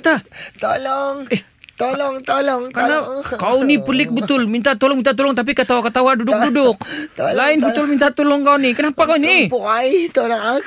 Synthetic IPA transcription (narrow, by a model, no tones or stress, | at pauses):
t̪at̪olɔŋɛh | t̪olɔŋt̪olɔŋkanakaunipəlɪk̚bət̪ʊlmint̪aʔt̪olɔŋmint̪at̪ulɔŋt̪ap̬ikat̪aakat̪awandudʊk̚dudʊk̚laɪnbət̪ʊlmint̪aʔt̪ulɔŋkaunikənapakaunipuait̪olɔŋa